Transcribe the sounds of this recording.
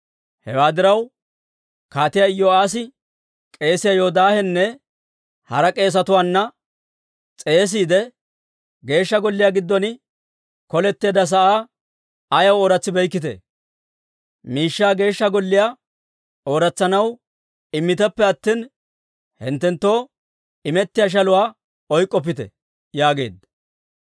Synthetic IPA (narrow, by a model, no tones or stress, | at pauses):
hɛ̰waːd̪ɪɾɐw | kaːt̪ɪjaɪjːɔaːs̬ɪ | kʼe̞ːsɪjajoːd̪aːhɛnːɛ | hɐɾɐkʼe̞ːs̬ɐt̪ʊwaːnːɐ | t͡sʼe̞ːs̬iːd̪ɛ | ɡe̞ːʃːɐɡɔlːɪjaːɡɪd̪ːɔnɪ | kɔlɛt̪ːe̞ːd̪ɐs̬ɐʔaː | ɐjɐwoːɾɐt͡sːɪbɛjkːɪt̪̬ɛ̰ | miːʃːaːɡe̞ːʃːɐɡɔlːɪja | oːɾɐt͡sːɐnɐw | ɪmːɪt̪ɛpːɛɐt̪ːiːn | hɪ̰nt̪ːɛnt̪ːo̞ː | ɪmɛt̪ːɪjaːʃ̬ɐlʊwaː | ɔjkʼːɔp̬ːɪt̪ɛ̰ | jaːɡe̞̰ːd̪ɐ